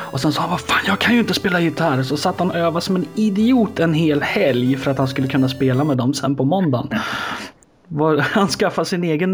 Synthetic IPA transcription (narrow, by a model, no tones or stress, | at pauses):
ʔɔsɛnsɑːhanvafaːnjɑːɡ̚kʰanjɵɪnt̪əspeːlajɪt̪ʰæɾsɔsat̪ːhanøːvasɔmɛnɪd̪ɪuːt̪ʰɛnɦeːlhɛljfœɾat̪hanskɵlːəkʰɵnːaspeːlamɛd̪ɔmsɛnːpʰɔmɔnd̪an | vahanskafːad̪sɪneːɡən